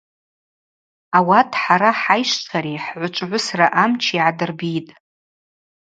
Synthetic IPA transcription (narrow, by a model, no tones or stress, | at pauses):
awatʰʼħaɾaħajʃtʰaɾiħʕʷʊt͡ʃʷʼʕʷʊsraʔamt͡ʃʰiʕadɨrbitʼ